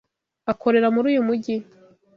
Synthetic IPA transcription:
akʰo̞ɾe̞ɾamuɾuːjumuɟi

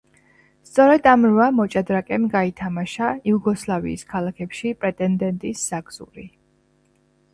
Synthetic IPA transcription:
st̪sʼɔɾɛd̪amɾvamɔt͡ʃʼad̪ɾakʼɛmɡait̪ʰamaʃaiuɡɔslˠavḭːskʰalˠakʰɛpʃipʼɾɛt̪ʼɛnd̪ɛnt̪ʼisz̥aɡz̥ṵɾi

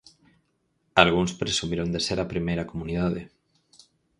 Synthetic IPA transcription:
alɣuŋspɾesumiɾond̪eseɾapɾimejɾakomuniðaðe

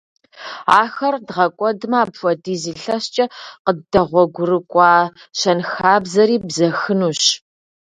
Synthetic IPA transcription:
aːxɐrdʁɐkʷʼɔdɨmaːbfʷɔdiːziːɬɐɕt͡ʃʼɐqədɐʁʷɔɡʷʊrɨkʷʼɑː | ɕɐnxaːbzɐɾiːbzɐxɨnuːɕ

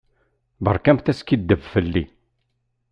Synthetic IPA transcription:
bə̰ɾˤkæmθæskid̪ːəvfəlːḭ

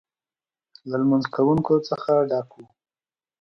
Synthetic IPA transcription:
lalmanzkawuŋkot͡səxaɖɑkwu

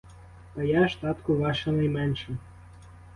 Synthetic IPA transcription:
t̪ɐjaʃt̪ɑt̪kʊʋɑʃɐnɐjmɛnʃɛ

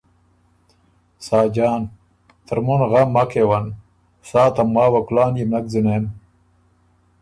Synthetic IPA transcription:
saːd͡ʑaːn | t̪ʰəɾmunɣɐmːɐkewɐn | saːt̪ɐmwaːwɐkulaːnjimnɐk̚zunen

